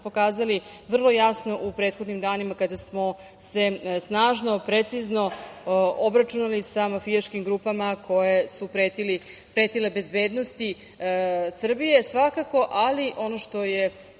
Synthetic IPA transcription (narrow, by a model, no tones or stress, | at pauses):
pokaːzali | ʋr̩lˠo̞jasno̞ʔupɾe̞ːt̪xo̞d̪nimd̪aːnimakad̪asmo̞ | se̞snaːʒno̞pɾe̞t̪sizno̞ | obɾat͡ʃunalisamafijaʃkimɡɾuːpamakʰo̞jesupɾet̪ili | pɾe̞t̪ile̞be̞zbe̞ːd̪no̞st̪i | sr̩bije̞sʋakako̞ʔaliʔo̞noʃt̪o̞je̞